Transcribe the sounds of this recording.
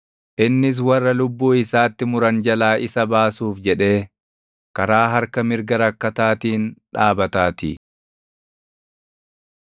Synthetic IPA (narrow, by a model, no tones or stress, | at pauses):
ʔɪnːɪs̬wɐrːɐlʊbːuːɪsaːt̪ːɪmʊɾɐnd͡ʒɐlaːʔɪsɐbaːsuːfd͡ʒɛᶑe̞ː | kɐɾaːɦɐɾkɐmɪɾɡɐɾɐkːɐt̪aːt̪iːnᶑaːbɐt̪aːt̪ḭ